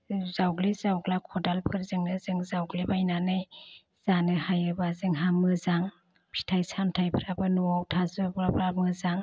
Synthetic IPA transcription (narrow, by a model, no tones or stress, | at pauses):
zawɡlizawɡlakʰɔdalpʰɯɾzɯŋnɯzɯŋzawɡlibajnanɯj | z̥anɯhajɯbazɯŋɦamɯzaŋ | pʰi̥tʰajsamtʰajbʰɯɾabɯnɔawtʰazɯbɾabɾamɯzaŋ